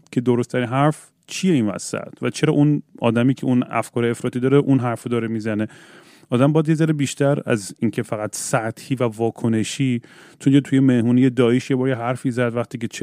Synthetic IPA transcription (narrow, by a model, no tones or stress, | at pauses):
cʰe̞d̪oɾost̪ʰæɾinɦæɾf | t͡ʃʰije̞iːnvæ̰sæ̰t̪ʰvæt͡ʃʰe̞ɾɒ̰ːʔunɒ̰ːd̪æmiːcʰe̞ʔunæ̰fkʰɒːɾeefɾɒːt̪iːd̪ɒːɾeʔunɦæɾfod̪ɒːɾemiːzæne̞ | ɒːd̪æmbɒːjæd̪je̞zæɾebiːʃt̪æɾæ̰ziːncʰe̞fæɣæt̪sæt̪hiːvævɒːkʰone̞ʃiː | t͡ʃʰonjet̪ʰujemehmuːnijed̪ɒːeʃjebɒːɾjeɦæɾfiːzæd̪væxt̪ʰiːcʰet͡ʃʰ